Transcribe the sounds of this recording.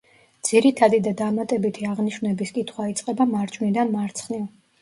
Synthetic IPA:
d̪z̥iɾit̪ʰad̪id̪ad̪amat̪ʼɛbit̪ʰiaʁniʃvnɛbiskʼit̪ʰχwait̪sʼqʼɛbamaɾt͡ʃʼvnid̪anmaɾt̪sʰχniv

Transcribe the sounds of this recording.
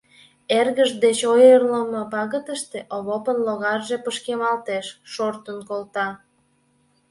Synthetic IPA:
erɣəʒd̪et͡ɕojərləməpɑɣət̪əʃt̪eʔoβopənloɣɑrʒepəʃkemɑlt̪eʃːort̪ənkolt̪ɑ

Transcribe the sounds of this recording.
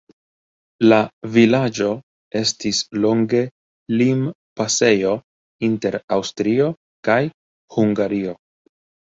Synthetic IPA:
lavilad͡ʒo̞ | e̞stislo̞ŋɡe̞ | lim | pase̞jo̞ | inte̞ɾawstɾio̞ | kaj | huŋɡaɾio̞

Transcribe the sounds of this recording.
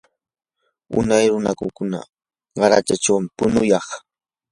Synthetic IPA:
ʊ̰najɾʊnakʊkʊna̰ | ɢɑɾa̰t͡ʃat͡ʃawmɪpʊnʊjɑχ

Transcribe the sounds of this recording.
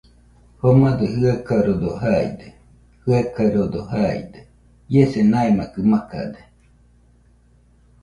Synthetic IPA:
homad̪eɦɯakaɾod̪oɦaḭd̪e | hɯakaɾod̪oɦaḭd̪e | jesenaemakɯmaka̰d̪e

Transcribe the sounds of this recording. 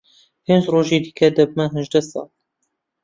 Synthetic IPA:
heːnzroːʒeːd̪ikʰɛd̪ɐb̚mɛɦɨʒd̪ɛsɑ̰ːl

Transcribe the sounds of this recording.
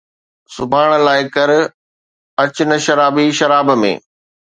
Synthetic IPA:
sʊbʱaːɽ̃laːɪkɐɾ | ɐt͡ɕnəʃɐɾaːbiʃɐɾaːbmḛ̃ː

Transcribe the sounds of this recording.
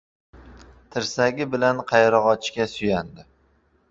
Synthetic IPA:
t̪ʰɪɾsaɡʲɪbɪlanqʰɑjɾɒʁɒt͡ʃʰɪʃkʲasʊjand̪ɪ

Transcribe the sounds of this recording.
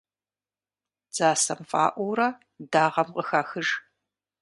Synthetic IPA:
d͡z̥aːsɐmfʼa̰ːʔʷɔwɾɐ | daːʁɐmqʼəxaːxɨʒ

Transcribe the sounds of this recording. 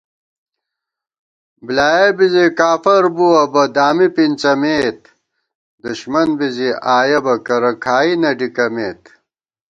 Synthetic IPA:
blaːjebizikaːfɐɾbuɐbɐd̪aːmipint͡sɐmeːt̪̚ | d̪uɕmɐnbiziʔaːjɐbɐkɐɾɐkʰaːinɐɖikɐmeːt̪

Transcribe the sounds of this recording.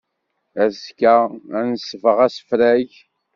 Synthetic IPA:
æskæænəsəvəʁæsə̥fɾæʝ

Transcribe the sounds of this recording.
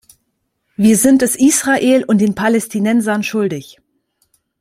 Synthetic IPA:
viːɐzɪnt̚d̥ɛsʔiːsʁ̥aʔeːlʊntd̥eːnpʰalɛstʰinɛnzɐnʃʊldɪç

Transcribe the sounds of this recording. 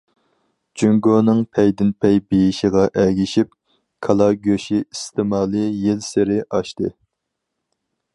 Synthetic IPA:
d͡ʒyŋɡonɨŋpʰɛjd̪ɪnpʰɛjbijiʃiʁɑʔæɡʲiʃip̚ | kʰɑlˠɑɡʲøʃiist̪ʰɪmɑːlˠɨjɪlsɪɾɪʔɑʃt̪ɨ̰

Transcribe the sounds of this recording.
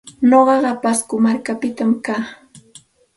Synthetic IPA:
noɢɑɢɑpaskʊmaɾkapɪt̪amkaː

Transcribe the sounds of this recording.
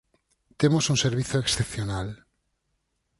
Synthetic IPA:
t̪emosunseɾβ̞iθoeksθepθjonal

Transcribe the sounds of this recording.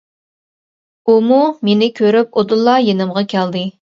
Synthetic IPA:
umumenɪkʲʰøɾypod̪ɨlˠːɑjenɨmʁɑkʲʰæld̪ɨ

